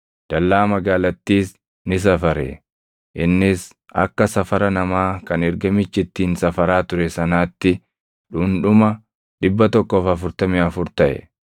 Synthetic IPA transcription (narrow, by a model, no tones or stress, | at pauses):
d̪̥ɐlːaːmɐɡaːlɐt̪ːiːs | nɪs̬ɐfɐɾɛ̰ | ʔɪnːɪs | ɐ̰kːɐsɐfɐɾɐnɐmaːkɐnɛɾɡɐmɪt͡ʃːɪt̪ːiːnsɐfɐɾaːt̪ʊɾɛsɐnaːt̪ːɪ | ᶑʊnᶑʊmɐ | ᶑɪbːɐt̪ɔkːoːfɐfʊɾt̪ɐmɪɐfʊɾt̪ɐʔɛ̰